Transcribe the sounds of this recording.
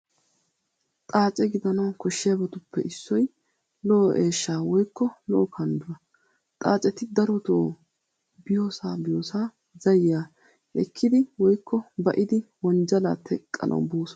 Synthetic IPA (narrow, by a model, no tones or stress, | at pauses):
t̪ʼaːt͡ʃʼɛɡɪd̪ɐnɐwkɔʃːɪjabɔt̪ʊpːɛʔɪsːɔj | lɔʔːʔeːʃːaːwɔjkːɔlɔʔɔkʰɐnd̪ʊɾɐ | t̪ʼaːt͡ʃʼɛt̪ɪd̪ɐɾɔt̪oː | bɪjo̞ːsaːbɪjoːsaː | zɐjjaː | ʔɛkʰːɪd̪ɪwɔjkːɔbɐʔɪd̪ɪwɔnd͡ʒɐla̰ːt̪ʰɛkʼːɐ̰nʔɐ̰wbuːsɔ